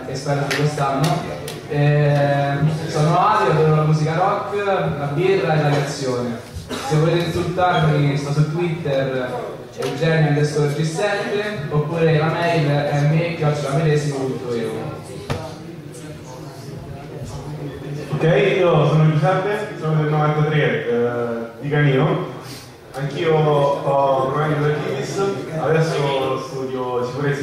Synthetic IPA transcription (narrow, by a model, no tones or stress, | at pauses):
espɛɾad̪ikwest̪anːo | ɛ | sɔːnoad̪oveɾolamuːsikaɾɔkːlabirːaelːaleat̪sːjoːne | sevːolet̪etesult̪aɾmist̪ɔsut̪ːwit̪ːeɾ | eld͡ʒɛnːod̪est̪oɾd͡ʒisːɛt̪ɾeopːuːɾelamɛjlʔɛmːekːjat͡ʃːolamed̪ɛːzimopunt̪oeṵ | okːɛjiːosoːnod͡ʒusɛpːesonod̪elnovant̪at̪ɾe | d̪ikaniːo | aŋk̟iːoɔpoɾmanikod̪ekiisad̪ɛsːost̪uːd̪josikuɾet̪sː